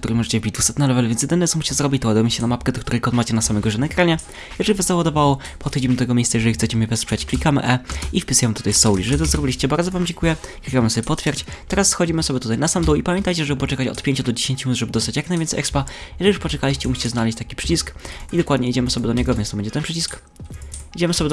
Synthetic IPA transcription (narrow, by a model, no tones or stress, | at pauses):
kt̪uɾɨmɔʐɛt͡ɕɛvʲbʲid͡ʑd̪vusɛt̪nɛlɛvɛlɛvʲjɛnsjɛd̪ɘnɛt̪sɔmuɕi̥t͡ɕɛzɾɔbʲit͡ɕt̪ɔwad̪ujɛmɕɛnamapkɛd̪ɔkt̪uɾɛjkɔd̪mat͡ɕɛnasamɛɡɔʐɛnakɾaɲɛ | jɛʐɛlʲivazawad̪ɔvawɔ | pɔt̪xɔd͡ʑimɘd̪ɔt̪ɛɡɔmʲejssajɛʐɛlʲixt̪sɛt͡ɕɛmʲɛvɛspʂɛt͡ɕklʲikamɘ̰ʔɛifpʲisujɛmɘt̪ut̪ajsɔwlʲiʐɛlt̪ɔzɾɔbʲilʲiɕt͡ɕɛbaɾd̪zɔvamd͡ʑeŋkujɛklʲikamɨsɔbʲɛpɔt̪fʲjɛɾt͡ɕt̪ɛɾasːxɔd͡ʑimɨsɔbʲjɛt̪ut̪ajnasamd̪ɔwipamʲjɛnt̪ajt͡ɕɛʐɛbɘpɔt͡ʂɛkat͡ɕɔ̰t̪pʲeɲt͡ɕud̪ɔd͡ʑeɕẽɲt͡ɕunut̪ʐɛbɘd̪ɔst̪at͡ɕjaknajvʲɛnt̪ɛjɛkspajɛʐɛijuʂpɔt͡ʂɛkalʲiɕt͡ɕɛmuɕi̥t͡ɕɛznalɛɕt͡ɕt̪akʲi̥pʂɘt͡ɕiskid̪ɔkwad̪ɲɛid͡ʑɛmɘsɔbʲɛd̪ɔɲɛɡɔvʲɛnst̪ɔbɛɲd͡ʑɛt̪ɛnpʂɘt͡ɕisk | id͡ʑɛmɘsɔbʲɛ